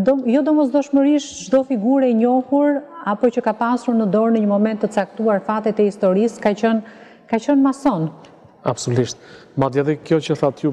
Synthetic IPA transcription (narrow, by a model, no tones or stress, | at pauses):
d̪ɔjɔd̪ɔmɔs̬d̪ɔʃməɾiʃʒd̪ɔfiɡuɾɛiɲɔhuɾapɔt͡ɕəkapasuɾnəd̪ɔɾnəɲəmɔmɛnt̪ːət͡sak̚t̪uaɾfat̪ɛt̪ɛist̪ɔɾiskat͡ɕən | kat͡ɕənmasɔn | absuliʃt̪̚ | mad̪iaðɛkjɔt͡ʃəθat̪ju